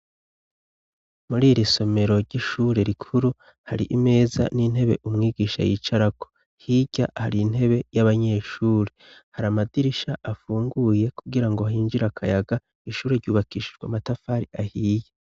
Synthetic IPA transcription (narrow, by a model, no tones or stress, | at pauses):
muɾiːɾiso̞me̞ɾo̞ɾɟiʃuːɾe̞ɾikʰuɾu | haɾḭʔime̞ːza̰nin̥he̞βe̞̰ʔumŋiːɡiːʃa̰jḭːt͡ʃaɾako | hiɟa̰haɾin̥he̞βe̞jaβaɲe̞ːʃuːɾehaɾamadiɾiʃaʔafuːŋɡuje̞kuɡiɾaŋɡo̞hiːnd͡ʒiɾakʰajaɡa | iʃuːɾeɾɟuːβakiʃiʒɡwa̰matafaːɾiʔahiːje